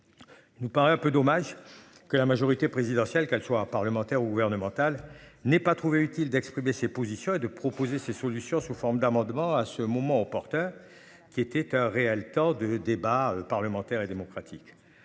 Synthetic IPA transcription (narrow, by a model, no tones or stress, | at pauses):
inupaʁɛɛ̃pød̪ɔmaʒ | kəlamaʒɔʁit̪epχezid̪ɑ̃sjɛlkɛlswapaʁləmɑ̃t̪ɛʁuɡuvɛʁnəmɑ̃t̪alnɛpat̪χuveyt̪ild̪ɛkspχimesepozisjɔ̃ed̪əpχɔpozesesɔlysjɔ̃sufɔʁmd̪amɑ̃d̪mɑ̃asəmɔmɑ̃ɔpɔʁt̪œʁ | kʲiet̪ɛt̪ɛ̃ʁeɛlt̪ɑ̃d̪əd̪ebaøpaʁləmɑ̃t̪ɛʁed̪emɔkχat̪ʰik